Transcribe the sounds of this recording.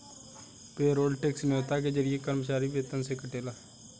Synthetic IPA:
peːɾoːɖʈeksmoːt̪aːk̬ed͡ʒəɾɪekəɾmt͡ʃaːɾiʋeːt̪ənsekəʈeːlaː

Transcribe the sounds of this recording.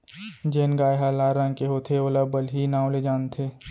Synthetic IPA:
d͡ʒeːnɡaːjɦalaːɾãŋkeɦoːt̪ʰeoːlabəlɦiːnãːõled͡ʒaːnt̪ʰeː

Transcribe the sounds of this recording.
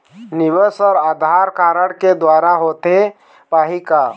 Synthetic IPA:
nibəsɔːɾad̪ʱaɾkaɾəɽked̪waɾaɦot̪e | paɦika

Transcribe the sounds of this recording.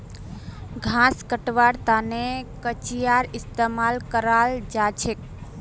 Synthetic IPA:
ɡʱãskəʈʋaɾt̪anekət͡ʃijaɾist̪emalkəɾald͡ʒat͡ʃʰek̚

